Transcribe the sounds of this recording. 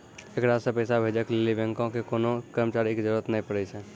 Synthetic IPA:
eːkɾaːsapɛːsabʱeːd͡ʒəklelibɛ̃ŋkõkekoːnõkəɾmət͡ʃaːɾikizəɾuːɾət̪nəɦĩpəɽesɛ̃ː

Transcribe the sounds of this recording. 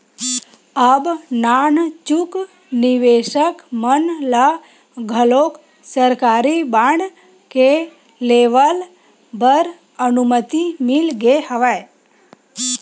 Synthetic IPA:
əbnant͡ʃuk | nɪʋeʃəkmənla | ɡʱəlok | səɾkaːɾibaɳ | ke | leʋəl | bəɾ | ənumət̪imɪlɡehəʋaj

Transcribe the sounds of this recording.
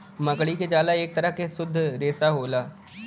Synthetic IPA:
məɡɽiːked͡ʒaːlaːek̚t̪əɾəkesʊd̪ʱːɾeːsaːɦoːlaː

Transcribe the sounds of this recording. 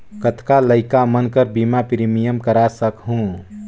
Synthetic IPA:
kət̪ʰkaləɪkamənkəɾbimapɾimijəmkəɾasəkɦũ

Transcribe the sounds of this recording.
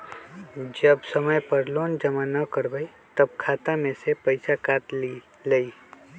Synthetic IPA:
d͡ʒɐbsɐməjpɐɾloːnd͡ʒɐmanɐkəɾbəi | t̪ɐb̚kʰaːt̪amẽsepɐɪsakaːt̪ | ləi

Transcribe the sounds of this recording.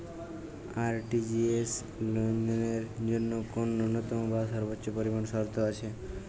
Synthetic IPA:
aɾʈid͡ʒies | lond̪ɔneɾd͡ʒonːokonunːɔt̪ɔmobʱasɔɾbotːopɔɾibɔnsɔɾt̪ʰoat͡ʃʰe

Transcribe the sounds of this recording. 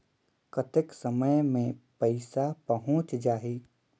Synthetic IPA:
kət̪ɪksəməjmẽpəɪsapɐɦʊ̃t͡ʃd͡ʒaːi

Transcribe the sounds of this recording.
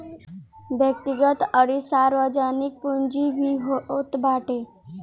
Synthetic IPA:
ʋjək̚t̪iɡət̪əɽisaɾʋəd͡ʑanik̚pund͡ʑiʋiɦot̪bʱaʈe

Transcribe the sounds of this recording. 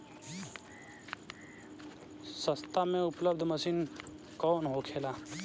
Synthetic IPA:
səst̪amẽʊpləbd̪ʱməsiːn | kɔːnɦokʰeːlaː

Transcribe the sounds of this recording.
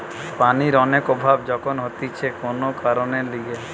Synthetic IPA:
paniɾɔnekobʱabd͡ʒɔkʰonɦot̪it͡ʃʰekonokaɾoneliɡe

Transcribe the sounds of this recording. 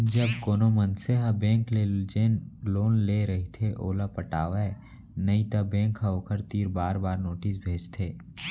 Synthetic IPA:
d͡ʒəbkoːnomənseɦabẽːŋkled͡ʒeːnloːnleɾɐɦit̪ʰeʔoːlapəʈaːʋeː | nɐit̪ɐbẽːŋkaoːkəɾt̪iːɾbaːɾbaːɾnoːʈis̬bʱeːd͡ʒt̪ʰeː

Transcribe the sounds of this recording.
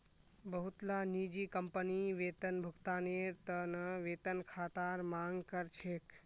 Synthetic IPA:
bəɦʊt̪lanid͡ʒikəmpəniʋeːt̪ənbʱʊkt̪aːneːɾt̪ənəʋeːt̪ənkʰaːt̪aːɾmãːŋɡkəɾt͡ʃʰeːk

